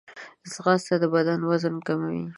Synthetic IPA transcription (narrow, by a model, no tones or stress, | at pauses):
zɣɑst̪ad̪əbad̪anwazənkamawḭ